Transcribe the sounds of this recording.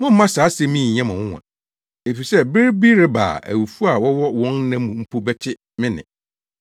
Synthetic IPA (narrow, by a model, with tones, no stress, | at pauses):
mʊ̃˦m̩˦mã˦saː˨˦sɛ˦mĩ˦˨ɲã˦mã˨wʊ̃˦wã̰˨ | e˨fi˨sɛ˦bɪ˦ɾbi˦ɾɪ˦ba̰ː˨ʔæ̰˨wu˨fu˦a˨wɔ˦wɔ˦wɔ̃˦nnã˦mũ˨m̩˦pʰo˦bɛ˦tʰɪ˦ | mɪ̃˦nɪ̰̃˨